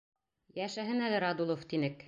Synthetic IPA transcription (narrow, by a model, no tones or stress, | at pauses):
jæʃæɦɘnælɘɾɑd̪ulˠoft̪inɘk